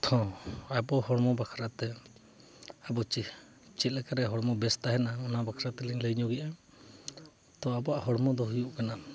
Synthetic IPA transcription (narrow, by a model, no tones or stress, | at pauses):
t̪ʰɔ̃abɔhɔɽmɔbakʰɾat̪ɛ | abɔt͡ʃi | t͡ʃit̪̚lɛkaɾɛɦɔɽmɔbɛst̪aɦɛnaɔnabakʰɾat̪ɛliŋləɲɔɡɛʔa | t̪ɔabɔaʔhɔɽmɔd̪ɔɦujuʔkana